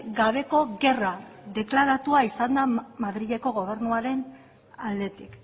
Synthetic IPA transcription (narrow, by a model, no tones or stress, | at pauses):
ɡaβ̞e̞ko̞ɣe̞raðe̞klaɾat̪uaisand̪amaðɾiʎe̞ko̞ɣo̞β̞e̞ɾnuaɾe̞n | ald̪e̞t̪ik